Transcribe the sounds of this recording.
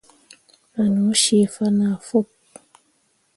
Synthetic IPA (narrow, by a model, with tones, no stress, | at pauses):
a˨nu˨˦ʃi˦˨fa˦na˨fo˦˨p̚